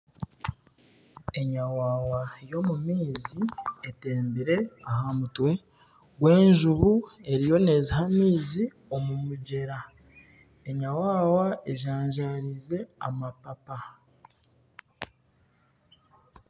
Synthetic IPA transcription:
e̞ɲawaːwajo̞mumiːzieteːmbiɾe̞ahamutwe̞ | ɡwe̞ːɲʒuβue̞ɾijo̞ne̞ːzihamiːzi | o̞mumuɟe̞ɾa | eɲawaːwae̞ʒaːɲʒaɾize̞a̰mapapa

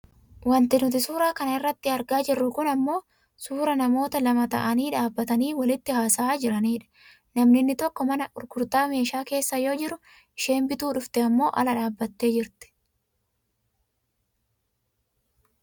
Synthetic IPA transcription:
wɐnt̪ɪnʊt̪ɪsuːɾaːkɐnɐɪrːɐt̪ːɪɐɾɡaːd͡ʒɪrːʊkʊnɐmːo̞ː | suːɾɐnɐmo̞ːt̪ɐlɐmɐt̪ɐ̰ʔɐniːᶑaːbːɐt̪ɐniːwɐlɪt̪ːɪhaːsaːd͡ʒɪɾɐniːᶑɐ̥ | nɐmnɪnːɪt̪ɔkːɔmɐnɐʔʊɾɡʊɾt̪aːme̞ːʃaːke̞ːsːɐjo̞ːd͡ʒɪɾʊ | ɪʃe̞ːmbɪt̪uːᶑʊft̪ɛɐmːo̞ːʔɐ̰lɐᶑaːbːɐt̪ːe̞ːd͡ʒɪɾt̪ɪ̥

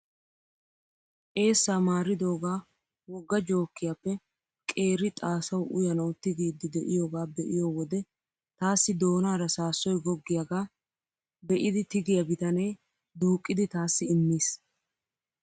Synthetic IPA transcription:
ʔe̞ːsːaːmaːɾːɪd̪o̞ːɡaː | wɔɡːɐd͡ʒo̞ːkːɪjaːpːɛ | kʼe̞ːɾɪt̪ʼaːsɐwʔʊjɐnɐwt̪ɪɡiːd̪ɪd̪ɛʔɪjo̞ːɡaːbɛʔɪjo̞ːwɔd̪ɛ | t̪aːsːɪd̪o̞ːnaːɾɐsaːsːɔjɡɔɡːɪjaɡaː | bɛʔɪd̪ɪt̪ɪɡɪjɐbɪt̪ɐnɛj | d̪uːkʼːɪd̪ɪt̪aːsːɪɪmːiːs

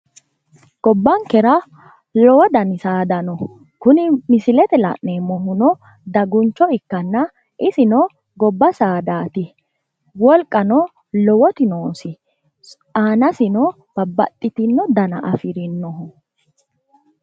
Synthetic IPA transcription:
ɡ̥ɔbːɐŋkɛɾɐ | lɔwɔd̪ɐnɪsaːd̪ɐnɔ | kʊnɪmɪsɪlɛt̪ɛlɐ̰ʔneːmɔɦʊnɔ | d̪ɐɡʊnt͡ʃːɔɪkːɐnːɐ | ʔɪsɪnɔ | ɡɔbːɐsaːd̪aːt̪ɪ | wɔlkʼːɐnɔ | lɔwɔt̪ɪnoːsɪ | ʔaːnɐsɪnɔ | b̥ɐbːɐ̰t̪ʼːɪt̪ɪnːɔd̪ɐnɐ̰ʔɐfɪɾɪnːɔɦʊ

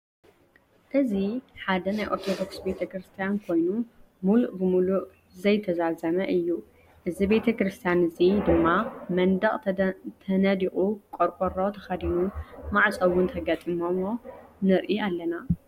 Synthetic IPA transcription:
ʔɨziħad̪ɐnajʔoɾt̪ʰod̪o̞ksbe̞t̪ʰɐkɾɨst̪ʰijankʰo̞jnu | muluʔbɨmuluʔ | zɐjt̪ʰɐzazɐmɐʔɨjːu | ʔɨzibe̞t̪ʰɐkɾɨst̪ʰijanɨzid̪ɨmːamɐnd̪ɐχʼt̪ʰɐnɐd̪iʔʼukʼoɾkʼoɾot̪ʰɐ̥xɐd̪inumaʕt͡sʼɐwːʊnt̪ʰɐɡat̪ʼimo̞monɨɾʔialːɐna

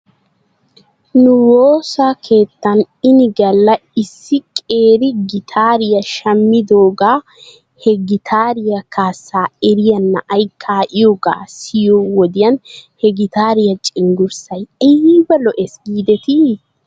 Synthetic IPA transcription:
nʊwoːsaːkʰe̞ːt̪ːɐn | ɪnɪɡɐlːɐɪsːɪkʼe̞ːɾɪɡɪt̪ʰaːɾɪjɐʃɐmːɪd̪oːɡaː | hɛɡɪt̪ʰaːɾɪjɐkaːsːaːɛɾɪjɐnːɐ̰ʔɐjkʰːaːʔɪjoːɡa̰ːsɪjowɔd̪ɪjɐnhɛɡɪt̪aːɾɪjɐt͡ʃʼɪŋɡʊɾsɐjibɐlɔʔɛsɡiːd̪ɛt̪i

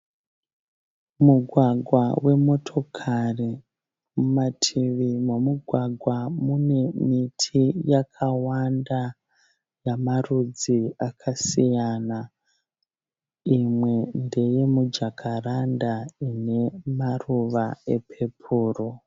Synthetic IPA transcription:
muɡʱwaɡʱwawe̞mo̞tʰo̞kʰari | mumatʰiʋimwamuɡʱwaɡʱwamune̞mitʰijakʰawanda | jamarud͡ziakʰasijana | imwe̞nde̞je̞mud͡ʒakʰarandaine̞maruʋae̞pʰe̞pʰuːro

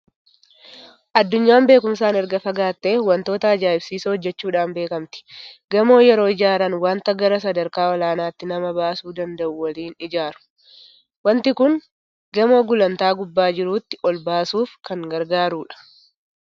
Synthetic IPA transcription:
ʔɐd̪ːʊɲːaːmbe̞ːkʊmsaːnɛɾɡɐfɐɡaːt̪ːe̞ːwɐnt̪o̞ːt̪ɐɐd͡ʒaːʔɪbsiːsɐɔd͡ʒːɛt͡ʃːuːᶑaːnbe̞ːkɐmt̪ɪ̥ɡɐmo̞ːjɛɾo̞ːɪd͡ʒaːɾɐnwaːnt̪ɐɡɐɾɐs̬ɐd̪ɐɾkaːɔlaːnaːt̪ːɪnɐmɐbaːsuːd̪ɐnd̪ɐʔʊwɐliːnɪd͡ʒaːɾʊ̥ | wɐnt̪ɪkʊŋ | ɡɐmo̞ːɡʊlɐnt̪aːɡʊbːaːd͡ʒɪɾuːt̪ːɪʔɔlbaːsuːfkɐŋɡɐɾɡaːɾuːᶑɐ̥

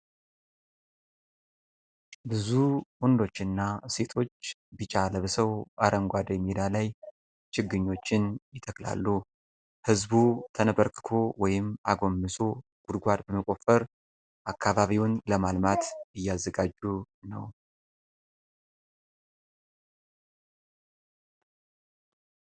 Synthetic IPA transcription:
bɨzuwɔnd̪o̞t͡ʃːɪnːase̞t̪ʰo̞t͡ʃːbɨt͡ʃʼaləβəsəwʔaɾʔəŋɡʷad̪jɛmːid̪alaj | t͡ʃɪɡːɨɲːo̞t͡ʃːɪnjɪt̪ʰəkla̰lːu | hɨzbut̪ʰənəbəɾkʰɨ̥kʰo̞wɔjɪma̰ɡo̞mːɨso̞ | ɡ̥ud̪ɡʷad̪bəməkʼo̞fəɾ | ʔakʰːaβaβiwʊnləmalmat̪ɨjːazːəɡad͡ʒːu | nə̰w

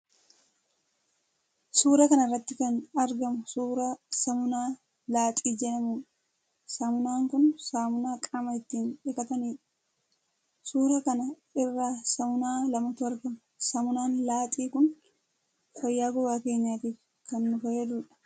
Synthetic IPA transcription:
suːɾɐkɐnɐɪrːɐt̪ːɪkɐnɐɾɡɐmʊsuːɾɐsɐmʊnaː | laːt̪ʼiːd͡ʒɛnɐmuːᶑ | sɐmʊnaːŋkʊnsaːmʊnaːkʼɐmɐɪt̪ːiːnᶑɪkɐt̪ɐniːᶑ | suːɾɐkɐnɐ | ɪrːaːsɐmʊnaːlɐmɐt̪ʊɐɾɡɐmʊsɐmʊnaːnlaːt̪ʼiːkʊn | fɐjːaːɡʊbaːke̞ːɲːaːt̪iːf | kɐnːʊfɐjɛd̪uːᶑɐ̥

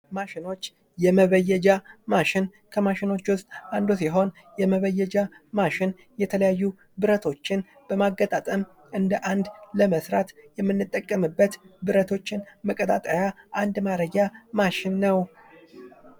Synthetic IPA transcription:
maʃɪno̞t͡ʃː | jɛməβəjːɛd͡ʒamaʃɪn | kʰəmaʃɪno̞t͡ʃːwʊst̪ʼʔand̪usiɦo̞n | jɛməβəjːɛd͡ʒa | maʃɪn | jɛt̪ʰələjajːu | bɨɾət̪ʰo̞t͡ʃːɪn | b̥əmaɡːət̪ʼat̪ʼəm | ʔɨnd̪əʔand̪ləməsɾat̪jɛmːɨnːɨt̪ʼːəkʼːəmɨbːət̪bɨɾət̪ʰo̞t͡ʃːɪnməkʼət̪ʼat̪ʼəjaʔand̪maɾəɡamaʃɪnːəw

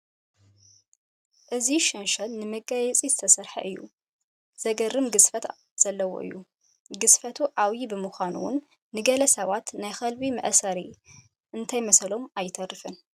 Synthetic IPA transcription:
ʔɨziʃɐnʃɐlnɨmɐɡajɛt͡sʼizɨt̪ʰɐsɐɾħɐ̰ʔɨjːṵ | z̥ɐɡɐrːɨmɡɨsfɐt̪ | z̥ɐlːɐwo̰ʔɨ̰jːu | ɡɨsfɐt̪ʰuʕawjibɨmɨxʷanṵwʊ̰nː | ɨɡɐlɐsɐβat̪najxɐlbimɐ̰ʔsɐɾi | ʔɨnt̪ʰajmɐsɐlo̞majːɪt̪ʰɐrːɨfɨn

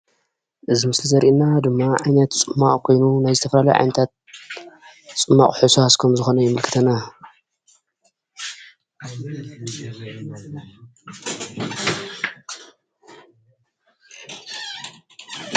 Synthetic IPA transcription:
ʔɨzimɨslizɐɾʔinad̪ɨmːaʕajnɐt̪t͡sʼɨmːaχʼkʰo̞jnunajzɨt̪ʰɐfɐlalɐ̰ʕa̰jnɐt̪ʰat̪̚ | t͡sʼɨmːaχʼħusaskʰɐmzɨxo̞nɐjɪmɨlkʰɨ̥t̪ʰɐna

